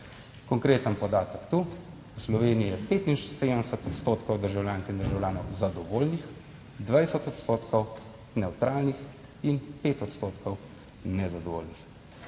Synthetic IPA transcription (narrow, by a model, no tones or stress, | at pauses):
kɔŋkɾeːt̪ənpɔd̪aːt̪əkt̪u | wslɔʋeːnijijɛpeːt̪inʃseːd̪ənɛsət̪ɔt̪st̪oːt̪kɔwd̪əɾʒawljaːŋkɛind̪əɾʒawlʲjaːnɔwzad̪ɔʋoːlnix | d̪ʋajsət̪ɔt̪st̪oːt̪kɔw | nɛwt̪ɾaːlnix | inpeːt̪ɔt̪st̪oːt̪kʰɔw | nɛzad̪ɔʋo̰ːlnix